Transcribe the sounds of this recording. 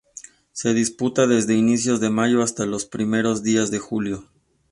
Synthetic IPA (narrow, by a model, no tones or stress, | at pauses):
se̞ðisput̪aðe̞zðe̞inisjo̞zðe̞maʝo̞ast̪alo̞spɾime̞ɾo̞zðiazðe̞xuljo̞